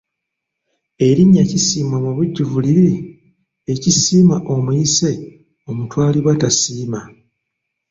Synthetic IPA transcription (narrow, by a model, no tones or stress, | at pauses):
e̞ɾiɲːacisiːmamuβuɟːuvuliɾi | ecisiːmaʔo̞muise̞ | o̞mutwaːliβwatasiːma